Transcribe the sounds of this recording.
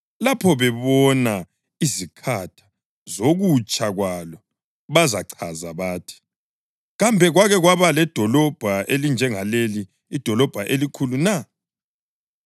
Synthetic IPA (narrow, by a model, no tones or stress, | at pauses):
lapʰɔβɛβɔna | izikʰatʰḁ | zoɣut͡ʃʼaɣwalɔ | βazaǀʰazaβaːtʰi̥ | ɣambʱɛɣwaɣɛɣwaβalɛd̥ʱɔlɔb̥ʱaʔelind͡ʒʱɛŋaleliː | d̥ʱɔlɔb̥ʱaʔelikʰuluna